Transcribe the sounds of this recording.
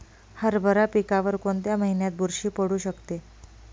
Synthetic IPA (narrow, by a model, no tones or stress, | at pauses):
həɾbʱəɾapikaʋəɾkoɳt̪jaməɦinjat̪̚bʱuɾɕiːpəɽuːɕəkt̪e